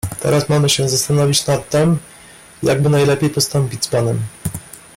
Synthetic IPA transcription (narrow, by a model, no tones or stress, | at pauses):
t̪ɛ̰ɾasmamɘɕɛzast̪anɔvʲit͡ɕnat̪ːɛm | ja̰ɡ̚bɘnajlɛpʲejpɔst̪ɔmpʲid͡ʑʲspanɛm